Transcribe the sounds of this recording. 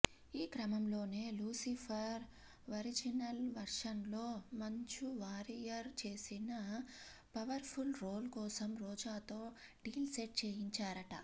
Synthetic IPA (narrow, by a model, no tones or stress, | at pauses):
iːkɾɐmɐmlo̞ːneːluːsipʰɐɾ | ʋɐɾid͡ʒinɐlʋɐɾʂɐnlo̞ːmɐɲt͡ʃuʋaːɾijɐɾt͡ʃe̞ːsinɐ | pɐʋɐɾpʰulɾoːlkɔːsɐmɾɔːd͡ʒaːt̪o̞ːɖiːlseʈ̚t͡ʃeːjiɲt͡ʃaːɾɐʈɐ̰